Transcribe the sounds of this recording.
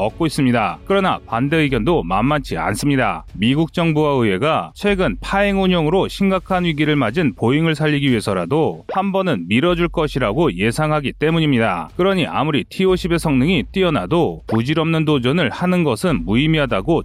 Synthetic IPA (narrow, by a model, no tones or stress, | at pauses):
ʌk̚k͈ois͈ɯmɲida̰k͈ɯɾʌna̰pande̞ɯɡjʌndoma̰mːant͡ɕʰia̰ns͈ɯmɲida̰miɡuk̚t͡ɕ͈ʌŋbuwaɯɦe̞ɡat͡ɕʰwe̞ɡɯnpʰaeŋuɲoŋɯɾoɕʰimɡakʰanwiɡiɾɯɭmad͡ʑinpoiŋɯɭsʰaʎːiɡiɥiɦe̞sʰʌɾadohambʌnɯnmiɾʌd͡ʑuɭk͈ʌɕʰiɾaɡoje̞sʰaŋɦaɡit͈e̞muɲimɲida̰k͈ɯɾʌɲiʔa̰muɾitʰioɕʰibe̞sʰʌŋnɯŋit͈iʌnadopud͡ʑiɾʌmnɯndod͡ʑʌnɯɭhanɯnɡʌsʰɯnmuimiɦadaɡo